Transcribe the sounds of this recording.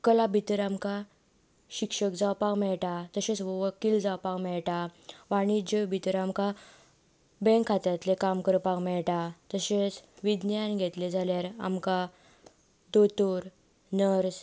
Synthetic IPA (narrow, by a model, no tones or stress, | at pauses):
kəlabʱit̪əɾamka | ɕikʂəkd͡zawpakmɛɭʈat̪əɕẽt͡sʋəkiːld͡zawpakmɛɭʈaʋaɽ̃id͡ʑebʱit̪əɾamka | bɛ̃ŋkʰːat̪at̪lekamkəɾpakmɛɭʈat̪əɕet͡sʋid̪njanɡʱet̪led͡zʱaljaɾa̰mka | d̪ot̪oɾ | nəɾs